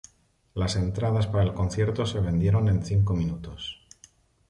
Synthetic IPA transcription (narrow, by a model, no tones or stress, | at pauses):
lase̞nt̪ɾaðaspaɾae̞lko̞n̟θje̞ɾt̪o̞se̞βẽ̞nd̪je̞ɾo̞nẽ̞nθiŋko̞mĩnut̪o̞s